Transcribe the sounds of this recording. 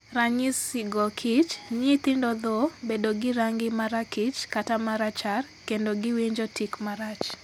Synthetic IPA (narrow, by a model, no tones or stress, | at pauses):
raɲɪsɪɡɔkʰit͡ʃɲit̪ɪndɔd̪ɔbedoɡɪɾaŋɡɪmaɾakɪt͡ʃkatamaɾat͡ʃar | kendoɡɪwiɲd͡ʒotikmaɾat͡ʃ